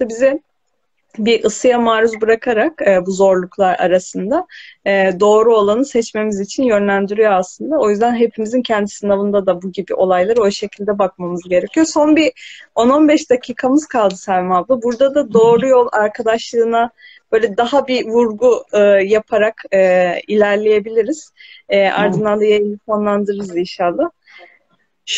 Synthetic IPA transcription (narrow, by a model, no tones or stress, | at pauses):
ʃt̪abizɛ | biʔɯsɯjamaːɾuzbɯɾakʰaɾakːbuzo̞ɾlˠuklˠaɾa̰ɾasɯnd̪aɛːd̪o̞ːɾuo̞lˠanɯsɛt͡ʃme̞mizit͡ʃʰinjø̞nlʲænd̪yɾyjo̞aslˠɯnd̪ao̞jyzd̪ænɦe̞pʰimizincʰɛnd̪isɯnavɯnd̪ad̪abuɟibiʔo̞lˠajlˠaɾɯo̞ʃe̞cʰilʲd̪ɛbakmamɯzɟe̞ɾecʰijo̞so̞nbio̞no̞nbɛʃd̪acʰiːkʰamɯzkʰalˠd̪ɯsælʲmablˠɯbuɾd̪ad̪ad̪o̞ːɾujo̞lˠaɾkʰad̪aʃlˠɯːna | b̥ø̞ːlʲɛd̪aɦabivuɾɡujapʰaɾakɯilʲæɾlʲeje̞bilʲiɾiz̥ɛːʔa̰ɾd̪ɯnd̪and̪ajaifonlˠand̪ɯɾɯɾɯzinʃaːlˠa | ʃ